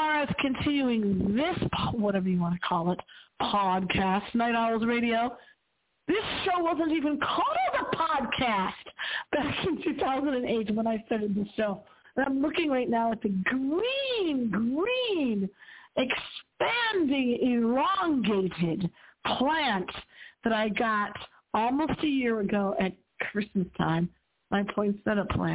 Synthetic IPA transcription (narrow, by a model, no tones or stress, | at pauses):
ɑɹɨz̥kʰɨ̃ntʰɪ̃njʉɪ̃ŋðɪspʰwʌɾɛvə˞jɨwɑ̃ñɨkʰɔlˠɪt̚pʰɑd̚kʰæstnaɪɾɑl̩ˠzɹeɪɾioʊ | ðɪsʃoʊwʌzə̃ntivɨ̃nkʰɔlˠəəpʰɑd̚kʰæst̚b̥ækɨ̃ntʰʉθaʊzə̃nɨ̃neɪtwə̃naɪstɑɹɾɨd̪̚ðɪsʃoʊ | ə̃nãɪ̃mlʊkɪ̃ŋɹaɪtⁿnaʊɨt̪̚ðɨɡɹĩnɡɹĩnɨkspæ̃ndɪ̃ŋɪlɔ̃ŋɡeɪɾɪd̚pʰl̥æ̃ntðɨɾaɪɡɑɾ | ɔlˠmoʊstɨjɪɹɨɡoʊʔɨt̚ | kʰɹ̥ɪsmɨstʰã̰ɪ̃m | mʔaɪpʰl̥ɔ̃ɪ̃nsɛ̃ɾʌpʰl̥æ̰̃n